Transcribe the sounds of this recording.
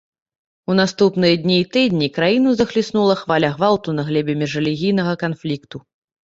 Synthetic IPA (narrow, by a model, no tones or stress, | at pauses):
un̪ast̪upnɨjɐd̪ʲnʲiːt̪ɨd̪ʲnʲikɾajinuzɐxlʲisn̪ulˠɐxvalʲɐɣvawt̪unɐɣlʲɛbʲɛmʲɛʐɐlʲiɣʲijn̪ɐɣɐkanflʲikt̪u